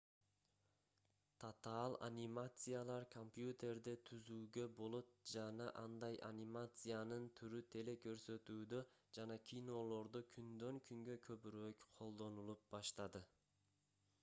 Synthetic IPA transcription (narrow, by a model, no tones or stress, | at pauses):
t̪ʰat̪alˠa̰nʲimat̪sɨjalˠɑɾkʰompjut̪ʲe̞ɾd̪et̪ʰyzyːɡø̞bo̞lˠo̞t̪̚d͡ʒɑnɑʔɑnd̪ɑjʔa̰nʲimat̪sɨjanɯnt̪ʰyɾyt̪ʰe̞le̞kʰø̞ɾsø̞t̪yːd̪ø̞d͡ʒɑnɑkʲʰino̞lˠo̞ɾd̪ukʲʰynd̪ø̞ŋkʰyŋɡø̞kʰø̞pyɾøːkqʰo̞lˠd̪o̞nulˠup̚bɑʃt̪ɑd̪ɯ